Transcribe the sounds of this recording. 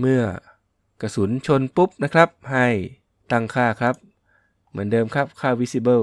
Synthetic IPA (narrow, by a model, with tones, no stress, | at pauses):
mɯ˧˩ɐ | ka˧˩su˩˦nt͡ɕʰo˧˨npu˦˥p̚na˦˥kʰɾa˦˥p̚ha˧˩j | t̪a˧˩ŋkʰaː˧˩kʰɾa˦˥p̚ | mɯ˩˦əndɤː˧mkʰa˦˥˩p̚kʰaː˧˩wi˦˧˥si˧˩bɤː˧˨